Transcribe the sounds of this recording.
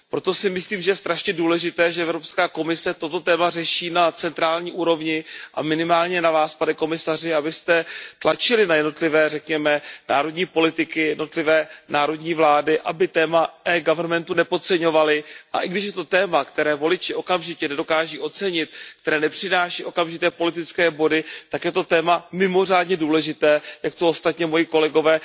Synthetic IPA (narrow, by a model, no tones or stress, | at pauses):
pɾo̞t̪o̞sɪmɪsliːmʒɛjɛst̪ɾaʃɲɛduːlɛʒɪt̪ɛːʒɛʔɛvɾo̞pskaːko̞mɪsɛt̪o̞t̪o̞t̪ɛːmarɛʃiːnat͡sɛnt̪ɾaːlɲiːʔuːɾo̞vɲɪʔa̰mɪnɪmaːlɲɛnavaːspanɛko̞mɪsarɪabɪst̪ɛt̪lat͡ʃɪlɪnajɛdno̞t̪lɪvɛːrɛkɲɛmɛnaːɾo̞dɲiːpo̞lɪt̪ɪkɪjɛdnot̪lɪvɛːnaːɾo̞dɲiːvlaːdɪʔabɪt̪ɛːmaʔɛːɡavrnmɛnt̪unɛpot͡sɛɲo̞valɪʔa̰ʔɪɡdɪʃ̬jɛt̪o̞t̪ɛːmakt̪ɛɾɛːvo̞lɪt͡ʃɪʔo̞kamʒɪcɛnɛdo̞kaːʒiːʔo̞t͡sɛɲɪt̪̚kt̪ɛɾɛːnɛpr̝̥ɪnaːʃiːʔo̞kamʒɪt̪ɛːpo̞lɪt̪ɪt͡skɛːbo̞dɪt̪akjɛt̪o̞t̪ɛːmamɪmo̞r̝aːdɲɛduːlɛʒɪt̪ɛːjakt̪oost̪at̪ɲɛmo̞jɪko̞lɛɡo̞vɛː